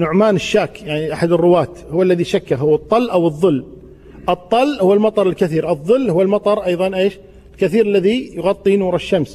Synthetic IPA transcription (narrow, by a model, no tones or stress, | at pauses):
nʊʕmaːnɪʃːaːkjaʕniʔaħad̪ɪrːʊwaːt̪hʊwːalːaðiʃakːaɦʊwːɨt̪ˤːɑlːʔawɨðˤːɨlː | ʔɨt̪ˤːɑlːhʊwːalmɑt̪ˤɑɾˤɪlkaθiːɾʔɨðˤːɨlːhʊwːalmɑt̪ˤɑɾˤʔɑjðˤɑnʔeːʃ | ɪlkaθiːɾalːaðijʊɣɑt̪ˤːinuːɾˤɪʃːams